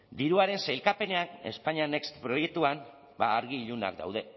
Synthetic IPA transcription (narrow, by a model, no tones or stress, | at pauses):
d̪iɾuaɾe̞nsajlkape̞ne̞ane̞̰spaɲianekst̪pɾo̞jek̚t̪uan | baːɾɣiːʎuna̰k̚d̪a̰wðe̞